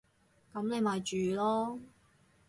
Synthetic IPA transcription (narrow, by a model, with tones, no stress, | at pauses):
kɐ˨˥mne˨˧jmaː˨jt͡ʃyː˨lɔː˥